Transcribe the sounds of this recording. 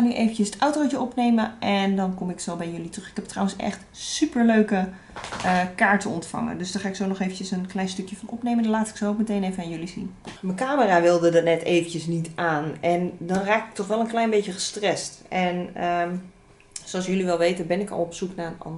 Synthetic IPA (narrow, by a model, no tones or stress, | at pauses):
xaːnyʔeːvəntəsətawtowt͡ʃəɔpneːməʔɛndɔnkɔmɪksolbɛjjɵlitrøxɪ̥kɛp̚tːrawənsɛ̰xt | sypəɹløɥkə | əkaːɹtəɔntfɑ̰ŋə̰ndøsdɔxaːɪksoːnɔxejvən̩cəsənklɛjnstøkjəfɑnɔpnejməndɔnlaːtɪ̥ksookmətejnevənaːnjølizḭnməkaːməraʋɪlˠdədɔnɛtʰeːvəncəsnitʰaːnɛndɔnraːkɪ̥k̚tɔxʋɛlˠənklɛjnbeːtjəxəstrɛstɛnə | soɔsjøliʋɛlˠʋeːtənbɪnɪkɔ̰lˠɔpsuknaənɔ̰n